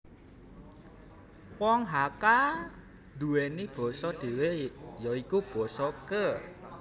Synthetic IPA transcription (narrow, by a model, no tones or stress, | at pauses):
wɔŋɦaka | d̪̥ṳwenib̥ɔ̤sɔd̪̥i̤wejɔikub̥ɔ̤sɔkə